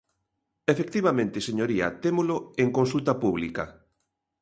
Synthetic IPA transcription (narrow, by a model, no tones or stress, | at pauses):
efek̚t̪iβamẽnt̪ɪseɲoɾiɐ̰t̪emoloeŋkõnsult̪ɐpuβ̞likɐ